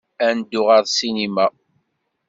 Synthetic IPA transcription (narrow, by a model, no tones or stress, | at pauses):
ænd̪ːʊʁɑðˤsinimæ